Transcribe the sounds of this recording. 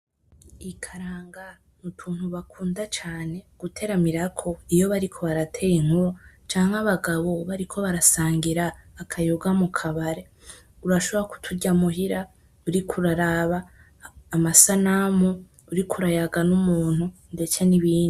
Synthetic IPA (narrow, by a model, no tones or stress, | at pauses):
ikʰaɾaːŋɡa | nutʰuːn̥huβakʰuːndat͡ʃaːne̞ɡ̥utʰe̞ɾamiɾakʰo̞ijo̞βaɾikʰo̞βaɾatʰe̞jiŋ̥huɾo | t͡ʃaːŋ̥haβaɡaβo̞βaɾikʰo̞βaɾasaːŋɡiɾaːkʰajoɡamukʰaβaɾe̞ | uɾaʃo̞βoɾaku̥tʰuɟamuɦiɾa | uɾikʰuɾaɾaβaː | masanamo | uɾikʰuɾajaɡanumuːn̥hundet͡ʃaniβiːndi